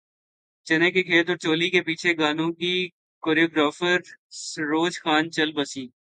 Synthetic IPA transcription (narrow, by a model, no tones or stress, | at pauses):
t͡ʃɐnekekʰeːt̪ɔːɾt͡ʃoːlikepiːt͡ʃʰeɡaːnõki | koːɾioːɡɾaːfəɾɾoːd͡ʒxaːnt͡ʃɐlbəsiː